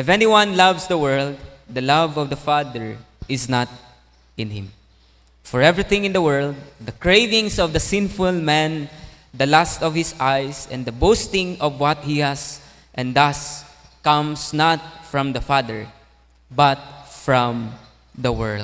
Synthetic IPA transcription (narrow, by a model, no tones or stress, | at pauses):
ʔɪfɛniwʌ̃nlʌvsd̪əwɜ˞ld̪̚d̪ɐlavɔvd̪ɐfad̪ɛɹ | ɪsnat̪̚ | ɪ̃nhɪ̃m | fɔɹɛvɹiθɪ̃ŋɪ̃nd̪əwɜ˞ld̪̚ːɐkɹeɪvɪ̃ŋsɔvd̪ɐsɪ̃nfʊlmɛ̃n | d̪ɐlast̪ɔv̥hɪsajsɛ̰̃nd̪ɐbost̪ɪ̃ŋɔvwʌt̪̚hihas | ʔɛ̃nd̪as | kʌ̃msnat̪̚fɹɔ̃md̪ɐfad̪ɛɹ | bʌt̪̚fɹɔ̃m | d̪əwɜ˞ld̚